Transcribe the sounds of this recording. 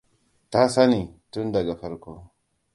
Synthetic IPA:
ta˦sa˦ni˨tu˦nda˨ɡa˨fa˦ɾko˦

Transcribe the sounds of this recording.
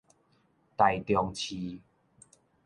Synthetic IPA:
t̪a˨˩jt̪jɔ˧ŋt͡ɕʰi˧

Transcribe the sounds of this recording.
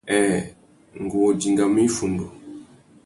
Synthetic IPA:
ɛ˨ | ŋ̩˨ɡu˨ɔ˨d͡ʒi˨ŋɡa˨mi˦fu˨ndu˨

